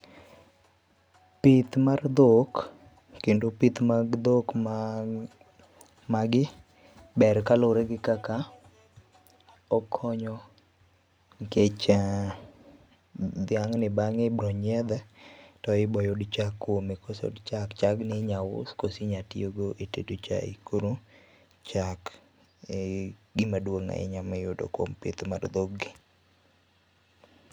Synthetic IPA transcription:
pit̪mard̪ok | kːendopit̪maɡd̪ok | maɡɪ | bɛɾkaloɾeɡɪkaka | ɔkʰɔɲɔ | ŋket͡ʃ | d̪ɪaŋnɪbaŋebɾoɲɛd̪ɛtɔɪbɔjodt͡ʃakːwomekoso̰dt͡ʃakt͡ʃaɡnɪɲawʊ̰skosiɲatioɡoʔetedot͡ʃa̰ḭkoɾu | t͡ʃak | ɡɪmadwoŋa̰ɪ̰ɲamɛjʊdo̰kwo̰mpet̪mard̪oɡɪ

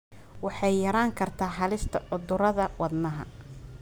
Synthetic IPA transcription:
wɑħɑjːɐɾaːŋkʰɐrt̪ʰaːħɑlɪst̪ʰɐʕʊd̪ʊɾɐðɐwɑd̪nɐɦɐ̰

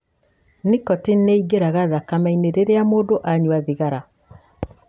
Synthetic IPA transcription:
nikɔtinneiɡeɾaɣaðakamaineɾeɾeamoːdoʔaɲwaðiɣaɾa

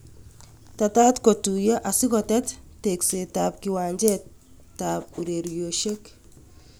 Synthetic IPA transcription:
tatatkotujaʔasɪkɔtɛtteksetap̚kiwaːɲd͡ʒɛ | tap̚uɾeɾjoʃek

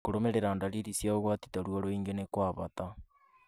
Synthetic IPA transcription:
koɾomeɾeɾandaɾiɾisjaoɣwatitaɾwoɾoiːŋɡenekwaːβata

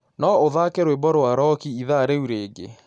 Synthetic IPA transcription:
nɔoðakeɾoebɔɾowaɾɔkiiðaɾeuɾeːɡḛ

